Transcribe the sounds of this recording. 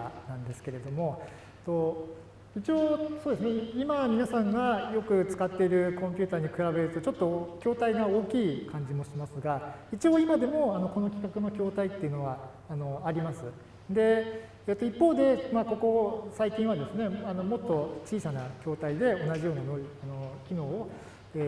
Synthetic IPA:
a̰nãnd̪e̞sɨ̥ke̞ɾe̞d̪o̞mo̞ | t̪ːo̞ | it͡ɕio̞ːsoːd̪esɨneimamʲinasãŋɡajo̞kɯ̟t͡sɨ̥kat̪ːe̞iɾɯ̟kõmʲpʲɯ̟ːt̪aːɲ̟ikɯ̟ɾabe̞ɾɯ̟t̪o̞t͡ɕo̞t̪ːo̞kʲo̞ːt̪aiɡao̞ːkʲiːkʰãɲ̟d͡ʑimo̞ɕimasɨɡait͡ɕio̞ːimad̪e̞mo̞ano̞ko̞no̞kʲi̥kakɯ̟no̞kʲo̞ːt̪ait̪ːe̞iɯ̟no̞βaː | no̞aɾʲimasɨ | d̪e̞ | et̪ːo̞ipːo̞ːd̪e̞maːko̞ko̞saikʲĩɰ̃βad̪e̞sɨne̞ano̞mo̞t̪ːo̞t͡ɕiːsanakʲo̞ːt̪aid̪e̞o̞naʑijo̞ːnanoiano̞kʲino̞ːo | e

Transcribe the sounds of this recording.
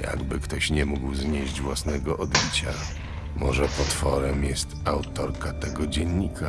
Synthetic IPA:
ja̰ɡbɘkt̪ɔɕɲɛmuɡwzɲeʑd͡ʑvwasnɛɡɔʔɔd̪bʲit͡ɕa | mɔʐɛpɔt̪fɔɾɛmjɛst̪awt̪ɔɾkat̪ɛɡɔd͡ʑɛɲːikʰa

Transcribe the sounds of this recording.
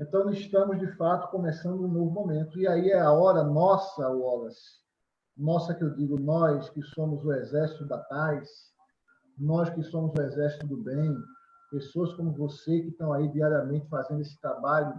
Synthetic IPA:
ẽnt̪ɐ̃w̃ɪʃt̪ɐ̃mʊzd͡ʒɪfat̪ʊ̥kõmɛsɐ̃nd̪ʊũnovʊmõmẽnt̪ʊiaiɛaɔɾɐnɔsɐoɔlɐs | nɔsɐkɪewd̪iɡʊnɔjskɪsõmʊzʊɛzɛɾsit̪ʊd̪at̪ajs | nɔjskɪsõmʊzʊɛzɛɾsi̥t̪ʊd̪ʊbẽj̃ | pesoɐskõmʊvosekɪʃt̪ɐ̃w̃aid̪iaɾiɐmẽnt̪ɪfazẽnd̪ʊesɪ̥t̪ɾabaʎʊ

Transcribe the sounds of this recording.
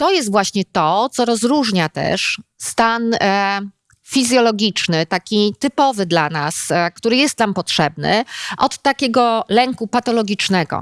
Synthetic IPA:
t̪ɔjɛst̪vwaɕɲɛt̪ɔt̪sɔɾɔzɾuʐɲat̪ɛ̰ʂst̪an | fʲizʲjɔlɔɡʲit͡ʂnɘt̪akʲit̪ɘpɔvɘd̪lanaskt̪uɾɘjɛst̪nampɔtʂɛbnɘ̰ʔɔt̪ːakʲɛɡɔlɛŋkupat̪ɔlɔɡʲit͡ʂnɛɡɔ̰

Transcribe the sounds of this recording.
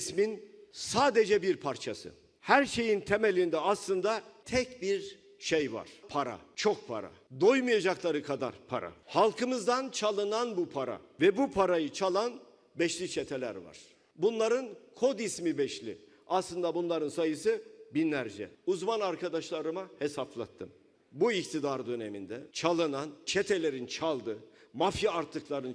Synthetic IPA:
sminsaːd̪ed͡ʒɛbiɾpʰaɾt͡ʃʰasɯ̰ | hæɾʃe̞jint̪ʰemelʲind̪ɛaslˠɯnd̪at̪ʰɛcbiɾ | ʃejva̰ɾ̥pʰaɾa̰t͡ʃʰok̚pʰa̰ɾa̰d̪ojmɯjad͡ʒaklˠaɾɯkʰad̪a̰ɾpʰa̰ɾa̰halˠkʰɯmɯzd̪ant͡ʃʰalˠɯnanbupʰaɾa̰vɛbupʰaɾajɯt͡ʃʰalˠan | bɛʃlʲit͡ʃʰet̪ʰe̞lʲæ̰ɾva̰ɾ̥ | bunlˠaɾɯnkʰo̞d̪ismibɛʃlʲḭ | aslˠɯnd̪abunlˠaɾɯnsajɯsɯbinlʲæɾd͡ʒɛ̰uzmanaɾkʰad̪aʃlˠaɾɯmahesaflˠa̰t̪ʰːɯm | buikt̪ʰid̪aɾd̪ø̞nemind̪ɛt͡ʃʰalˠɯnant͡ʃʰet̪ʰelʲe̞ɾint͡ʃʰalˠd̪ɯmafjaaɾt̪ʰːɯklˠaɾɯn

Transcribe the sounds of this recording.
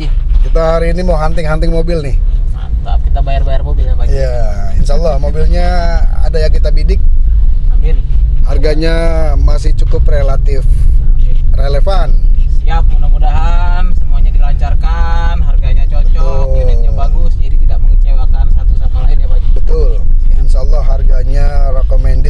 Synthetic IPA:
kit̪aɦaɾiːnimaɦant̪ɪŋɦant̪ɪŋmobɪlnɪha̰t̪akit̪abajarbajarmobɪlɲabaijainʃalːɑmobilɲaa̰dajaŋkit̪abidɪk̚abirharɡaɲamasɪht͡ʃukʊprelat̪ɪf | relefansiap̚mudamudaɦansəmuaɲadilaɲt͡ʃarkanɦarɡaɲat͡ʃot͡ʃɔkinit̪ɲabaɡʊsdidit̪idaʔbəit͡ʃewakansat̪usamalaɪnɲabad͡ʒbət̪ʊlinsaːlːɑharɡaɲarekomɛndɪ

